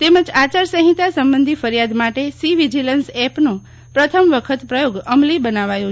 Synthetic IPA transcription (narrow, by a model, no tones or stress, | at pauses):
t̪eməd͡ʒat͡ʃaɾsəɦit̪asəmbənd̪ʱifəɾjad̪maʈesiʋid͡ʒilənsɛpno | pɾət̪ʰəmʋəkʰət̪pɾəjoɡəmlibənaʋajo